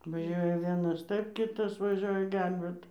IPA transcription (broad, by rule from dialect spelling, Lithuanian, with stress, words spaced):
ʋɐˈʒʲuɔjɛ ˈʋʲiɛnɐs ˈtɐɪp ˈkʲɪtɐs ʋɐˈʒʲoːjɛ ˈɡʲɛlʲbʲeːt